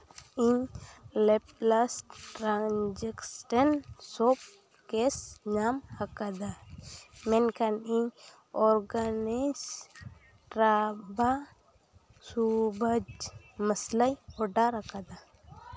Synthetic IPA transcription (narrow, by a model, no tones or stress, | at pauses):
iɲlɛp̚lasʈʈɾand͡ʒɛksʈənsɔp̚ | kɛsɲamhakad̪a | mɛnkaniɲ | ɔɾɡanis | ʈɾaba | subʱəd͡ʒ | məslajɔɖaɾakad̪a